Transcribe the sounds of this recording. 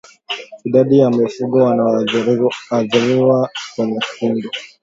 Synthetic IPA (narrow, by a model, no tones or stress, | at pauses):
iɗaɗijamifuɡɔwana | aðiɾiwakwɛɲɛfundɔ